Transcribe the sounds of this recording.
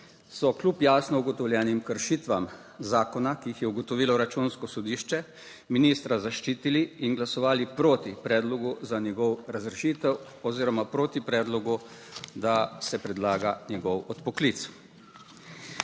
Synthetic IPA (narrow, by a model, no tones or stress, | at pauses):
sɔklupjaːsnɔuɡɔt̪ɔwljɛːnimkəɾʃit̪ʋam | zaːkɔnakiixjɛuɡɔt̪ɔʋiːlɔɾat͡ʃunskɔsɔd̪iʃt͡ʃɛ | minist̪ɾazaʃt͡ʃiːt̪iliːnɡlasɔʋaːlipɾoːt̪ipɾɛːd̪lɔɡuzanjɛɡɔwɾazɾɛʃit̪ɛw | ɔziːɾɔmapɾoːt̪ipɾɛːd̪lɔɡu | d̪asɛpɾɛd̪laːɡanjɛɡɔwɔt̪pɔklit̪s